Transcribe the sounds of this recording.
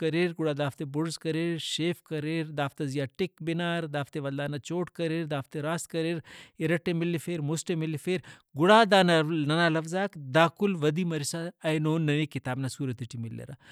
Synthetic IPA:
kɐɾeɾɡʊɽaːd̪aːft̪ebʊɽzkɐɾeːɾʃeːfkɐɾeːɾd̪aːft̪ɐzijaːʈɪkbɪnaːɾd̪aːft̪eʋɐld̪aːnat͡ʃoːʈkɐɾeːɾd̪aːft̪eɾaːst̪kɐɾeːɾiɾɐʈːemɪlːifeːɾmusʈemilːifeːɾ | ɡʊɽaːd̪aːnɐnɐnaːlɐfzaːkd̪aːkulʋɐd̪imɐɾisaːjnoːnːɐʋikit̪aːbnasuːɾɐt̪iʈimɪlːḛɾa̰

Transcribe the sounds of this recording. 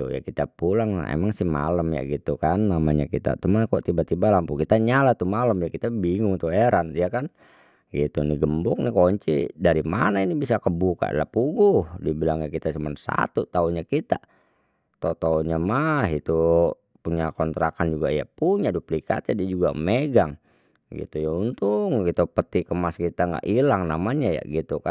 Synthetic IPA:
t̪ṵja̰kit̪apulaŋ̰ḛmaŋsihma̰lamja̰ɡit̪ukanːamaɲa̰kit̪a̰t̪umanakɔt̪ibat̪ibalampukit̪aɲalat̪umaləmjakit̪abiŋʊŋt̪ueɾanjakan | ɡit̪uniɡəmbʊk̚nikɔɲt͡ʃḭdaɾimanainibisakəbuka̰ʔlapuɡuhdibilaŋjakit̪asəmansa̰t̪ut̪auɲakit̪a | t̪ot̪auɲamaɦit̪u | puɲakɔnt̪ɾakand͡ʒuɡa̰ja̰puɲaduplika̰t̪adiad͡ʒuɡameɡaŋ | ɡḭt̪ujaunt̪uŋkit̪upət̪ikəmaskit̪aŋɡa̰ʔilaŋnamaɲaja̰ɡit̪uka

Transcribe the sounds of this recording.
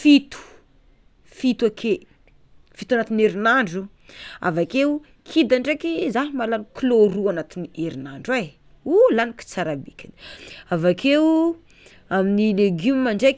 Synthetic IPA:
fit̪u̥ | fit̪wakʰe | fit̪uanat̪ineɾinaɳɖ͡ʐu | a̰vakeu | kʰid̪aɳɖ͡ʐekizaɦimalankloɾuanat̪inieɾinaɳɖ͡ʐwe | ulaniki̥t͡saɾabikʲini̥avakʰe | aminileɡumimaɳɖ͡ʐe

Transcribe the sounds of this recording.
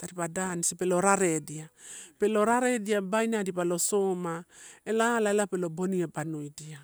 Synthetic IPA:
taɾipadanisipeloɾaɾe̞diape̞lo̞ɾaɾe̞diabajnadipalo̞somaelaːlaelapelo̞boniebanojdia

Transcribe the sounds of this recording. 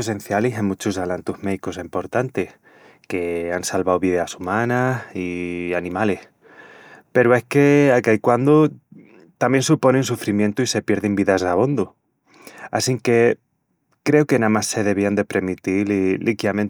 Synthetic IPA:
es̬e̞n̟θjaliɦemut͡ʃusalant̪uhmeðikos̬empo̞ɾt̪ant̪eh | ke̞ansalβawβiðasumãnasianĩmale̞h | pe̞ɾoe̞hke̞akaikwand̪o | t̪ambje̞nsupo̞nẽnsufɾimje̞nt̪uise̞pje̞ɾðembiðasaβo̞nd̪o | a̰siŋke̞ | kɾe̞oke̞namasːe̞ðe̞β̞iand̪e̞pɾe̞mit̪illʔikjamẽn

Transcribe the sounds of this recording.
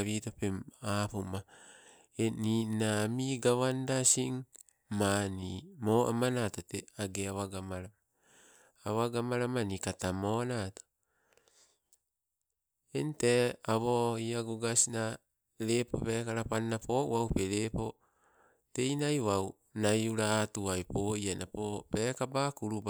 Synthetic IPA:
βitopemapoma | eninamiɡaβandasiŋ | manimoʔa̰manatoteaɡeawaɡamaɾama | awaɡamaɾamanikatamonato̥ | enteaβoiaɡuɡasina | ɾepo̰pekaɾapannapoʔṵawpeɾepo̞ | te̞jnajwaw | najuɾaːtuajpoianapopekabakuɾub

